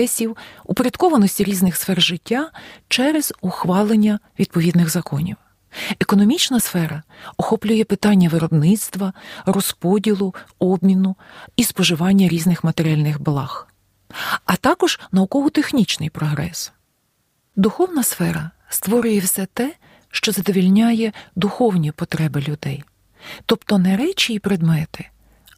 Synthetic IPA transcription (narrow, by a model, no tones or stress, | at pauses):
ɛsʲiwupeɾʲjɐd̪kɔʋɐnɔsʲtʲiɾʲiznɪxsfɛrʒɪtʲːat͡ʃɛɾez̥ʊxʋɑlˠenʲːɐʋʲid̪̚pɔʋʲid̪nɪɣzɐkʰɔnʲḭw | ekɔnɔmʲit͡ʃnɐsfɛɾɐɔxɔplʲʊjɛpɪt̪ɑnʲːɐʋɪɾɔbnɪt̪st̪ʋɐɾɔspɔdʲilˠʊɔbmʲinʊispɔʒɪʋɑnʲːɐɾʲiznɪxmɐt̪eɾʲɪɑlʲnɪxblˠɑx | ɐt̪ɑkɔʒ̥nɐʊkɔɦʊt̪exnʲit͡ʃnɪjpɾɔɦɾɛ̰s | d̪ʊxɔwnɐsfɛɾɐ | st̪ʋɔɾʲʊjɛwsɛt̪ɛ | ʃt͡ʃɔzɐd̪ɔʋʲilʲnʲajɛd̪ʊxɔwnʲipɔt̪ɾɛbɪlʲʊd̪ɛj | t̪ɔpt̪ɔnɛɾɛt͡ʃiːpɾed̪mɛt̪ɪ